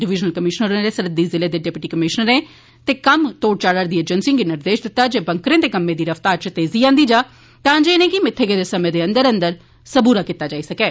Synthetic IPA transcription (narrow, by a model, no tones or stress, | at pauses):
ɖɪʋɪd͡ʒnəlkəmɪʃnəɾẽɾeːsəɾəd̪iːzɪleːd̪eːɖɛːpɪʈiːkəmɪʃnəɾẽː | t̪eːkəmt̪oːɽt͡ʃaːɽəɾd̪iːed͡ʒənsĩːɡinɪɾd̪eːʃd̪ɪt̪ːaːd͡ʒeːbəŋkɾẽːt̪eːkəmːẽːd̪iːɾəft̪aːɾt͡ʃət̪eːziːãːnd̪iːd͡ʒaː | t̪ãːd͡ʒeːnẽːkɪmɪt̪ʰːeɡeːd̪eːsəmẽːd̪eːə̃nd̪əɾə̃nd̪əɾ | səbuːɾaːkit̪ːaːd͡ʒaːiːsəkɛː